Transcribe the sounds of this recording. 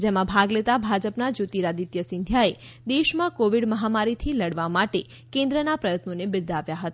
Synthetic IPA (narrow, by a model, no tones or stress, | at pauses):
d͡ʒemãbʱaɡlet̪abʱad͡ʒəpnad͡ʒot̪iɾad̪it̪jəsɪ̃nd̪ʱjae | d̪eʃmãkoʋiɽməɦamaɾit̪ʰiləɽʋamaʈe | kẽnd̪ɾənapɾəjət̪nonebɪɾd̪ʱaʋjaɦət̪a